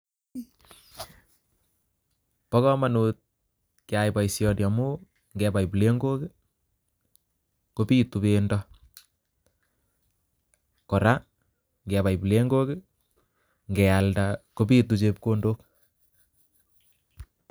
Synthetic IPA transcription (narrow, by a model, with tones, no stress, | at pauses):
pɔ˦kɔ˦manut̪̚ | kjajba˨jsjɔ˦dja˨mu | ŋɡɛba˨jple˦ŋɡo˦kɪ | kopi˦tu˨bendɔ | kɔ˨ɾa˦ | ŋɡɛ˨ba˨jble˦ŋɡo˦kɪ | ŋɡɛ˨aldako˦pi˦tut͡ʃe˦p̚ko˦ndok